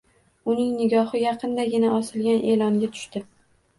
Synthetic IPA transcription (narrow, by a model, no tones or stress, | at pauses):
ʊnɪŋnɪɡʲɒhɨjɑqʰɨnd̪aɡʲɪnaʔɒsɪlɡʲanʔe̞lɒŋɡʲat̪ʰʊ̥ʃt̪ɪ